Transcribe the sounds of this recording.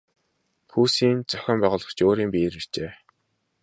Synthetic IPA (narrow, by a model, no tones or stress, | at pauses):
xʰuːsiːnt͡sœ̥xʲɔːmpæːʁʊːɮə̆χt͡ɕʰoːɾiːmpiːɾir̥t͡ɕeː